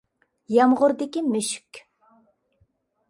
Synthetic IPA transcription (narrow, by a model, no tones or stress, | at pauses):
jɑmʁʊɾd̪ɪkʲimøʃy̥kʲ